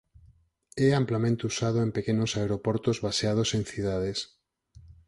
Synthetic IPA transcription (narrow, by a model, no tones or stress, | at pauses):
ɛamplamẽnt̪ousað̞oempekenosaeɾopɔɾt̪ozβaseað̞osẽŋθið̞að̞es